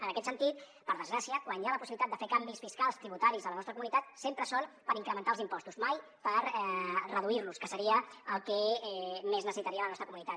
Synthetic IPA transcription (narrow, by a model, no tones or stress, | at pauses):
ənəkɛt̪sənt̪it̪ | pəɾðəzɣɾasiəkwanjaləpusiβlit̪at̪əfekambisfiskalˠst̪ɾiβut̪aɾizðələnɔst̪ɾəkumunit̪at̪̚sempɾəsonpəɾiŋkɾəmənt̪alˠzimpɔst̪uzmaj | pəɾɛrəðuiɾluskəsəɾiəəlˠkɛmeznəsəsit̪əɾiələnɔst̪ɾəkumunit̪at̪